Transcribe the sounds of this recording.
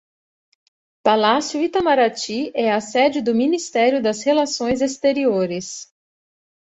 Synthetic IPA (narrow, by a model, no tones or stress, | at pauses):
palasjʊit̪amaɾat͡ʃiɛasɛd͡ʒɪd̪ʊminist̪ɛɾjʊd̪ɐshelasõj̃zest̪eɾioɾɪs